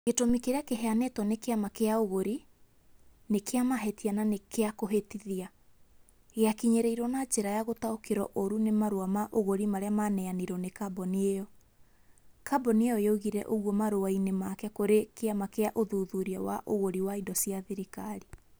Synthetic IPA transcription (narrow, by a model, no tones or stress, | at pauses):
ɣetomikeɾeakeɦɛanɛtwɔnekeamakeaoɣoɾi | nekeamaɦɛtiananekeakoɦetiðia | ɣeakiɲeɾɛiɾwɔnad͡ʒeɾajaɣotaokeɾɔ̰ʔoɾunemaɾoamaʔoɣoɾimaɾeamanɛaniɾɔnekabɔniejɔ | kabɔniejɔeoɣiɾɛ̰ʔoɣwɔmaɾoainemakɛkoɾekeamakeaʔoðuðuɾiawa̰ʔoɣoɾiwaidɔsiaðeɾikaɾi